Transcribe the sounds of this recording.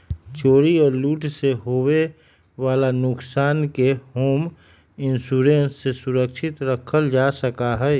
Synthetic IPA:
t͡ʃoːɾiɔːɾluːʈseɦowe | ʋaːlanʊksaːnkeɦoːm | ɪnsuːɾẽnsːesʊɾəkʃʰɪt̪ɾəkʰəld͡ʒaːsəkaɦɛː

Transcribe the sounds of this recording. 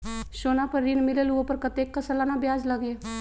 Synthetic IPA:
ʃoːnapɐɾːinmɪləlʋopɐɾkɐt̪eːkːɐsəlaːnabjaːd͡ʒlɐɡeː

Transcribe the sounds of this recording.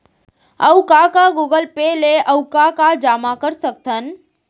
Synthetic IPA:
əwkakaɡuɡəlpeleʔəwkakad͡ʒaːmakəɾsək̚t̪ʰən

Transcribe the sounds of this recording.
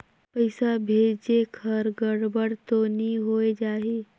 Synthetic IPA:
pəɪsabʱeːd͡ʒd͡ʒekʰəɾɡəɽbəɽt̪oniɦoed͡ʒaːɦe

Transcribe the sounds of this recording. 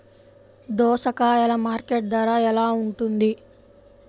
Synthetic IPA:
d̪ɔːʃɐkaːɛlɐmaːɾkeʈ̚d̪ʋaːɾaːɛlaːuɳʈund̪i

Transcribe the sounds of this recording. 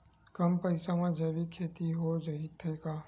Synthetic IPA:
kəmpəɪsamãd͡ʒəbikʰeːt̪iɦod͡ʒɐit̪ʰəekaː

